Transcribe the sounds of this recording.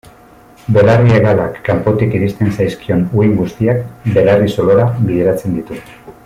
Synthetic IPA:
be̞larieɣalakːampo̞t̪ikiɾist̪e̞nsajskio̞nuiŋɡust̪iakbe̞lariso̞lo̞ɾaβiðeɾat͡se̞nd̪it̪u

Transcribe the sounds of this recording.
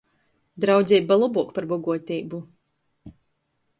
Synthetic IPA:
d̪ɾawd̪zʲɛːbalˠubuɔkpaɾbɔɡuɔt̪ʲiːbu

